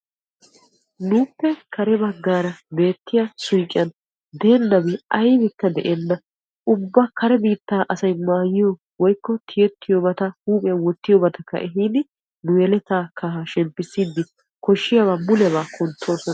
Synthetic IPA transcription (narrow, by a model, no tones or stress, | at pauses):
nuːpːɛkʰɐɾɛbɐɡːaːɾɐbe̞ːt̪ːɪjasʊjkʼːɪ̰ɐn | d̪e̞ːnːɐbɪɐjbɪkːɐd̪ɛʔeːnːɐ | ʔʊbːakɐɾɛbiːt̪ːaːʔɐsɐjmaːjɪjo | wɔjkːɔt̪ʰɪjɛt̪ʰːɪjobɐt̪ɐhuːpʼɪjɐnwɔt̪ːɪjɔbɐt̪ɐkːɐ̰ʔɛɦinɪ | nʊjɛlɛt̪aːkɐɦɐʃɛmpːɪsːiːd̪ːɪ | kɔʃːɪjɐβamʊlɛβaːkɔnt̪ʰːo̞ːsɔnɐ